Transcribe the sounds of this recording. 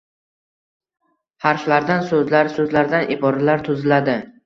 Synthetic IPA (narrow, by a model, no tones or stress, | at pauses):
haɾʃlaɾd̪ansɵzlaɾsɵzlaɾd̪anʔɪbɒɾalaɾt̪ʰʊzɪlad̪ɪ